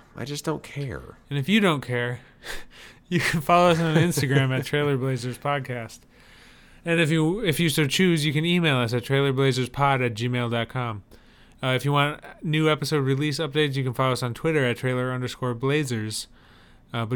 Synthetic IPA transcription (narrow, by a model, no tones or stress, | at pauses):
ʔa̰ɪd͡ʒʌsd̥õʊ̃nkʰɛ̰ɹɨ̃nɨfjɨɾõʊ̃nkʰɛɹ | jɨkʰɨ̃nfɑlˠoʊʌs̬n̩ɪ̃nstɨɡɹæ̃mɨttʰɹ̥eɪlˠə˞bleɪzə˞z̥pʰɑd̚kʰæst | ɨ̃nɨfjɨɪfjɨstɨt͡ʃʰʉzjɨkɨ̃nimeɪlˠʌsɨtʰɹ̥eɪlˠə˞bleɪzə˞z̥pʰɑɾɨt̚d̥ʒ̥imeɪlˠdɑt̚kʰɑ̃m | ɨfjɨwɑ̃ntnʉɛpəsoʊd̚ɹilisʌp̚d̥eɪtsjɨkɨ̃nfɑlˠoʊʌsn̩tʰw̥ɪɾə˞ɨtʰɹ̥eɪlˠə˞ʌ̃ndə˞skɔɹbleɪzə˞z̥ | bʌ